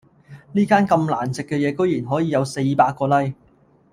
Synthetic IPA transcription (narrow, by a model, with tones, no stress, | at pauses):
niː˥kaː˥nkɐ˧mla̰ː˨˩nt͡sɪ˨kːɛ˧jɛː˨˧kɵ˥ɥjiː˨˩nɦɔː˨˥jiː˨˧jɐ˨˧wse˧jpaː˧k̚ːɔː˧lɐ˥j